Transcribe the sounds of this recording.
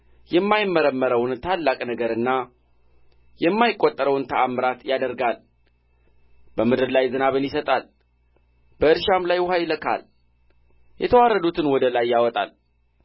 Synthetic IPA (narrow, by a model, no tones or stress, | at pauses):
jɛmːajɪmːəɾəmːəɾəwnt̪ʰalːakʼnəɡəɾɨnːa | jɛmːajɪkʼːot̪ʼːəɾəwnt̪ʰəʔamɾat̪jad̪əɾɡal | bəmɨd̪ɨɾlajzɨnaβɨnjɪsət̪ʼal | b̥əɨɾʃamlajwhajləkʰa̰l | jʔɛ̰t̪ʰəwarːəd̪ut̪ʰɨnwɔd̪əlajːawɔt̪ʼa̰l